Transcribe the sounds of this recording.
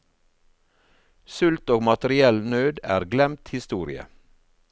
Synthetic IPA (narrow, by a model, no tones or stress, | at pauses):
sʉlt̪oːɡmɑt̪əɾɪɛlnøːd̪æ̰ːɾɡlɛmt̪hɪst̪uːɾɪ̰ə̰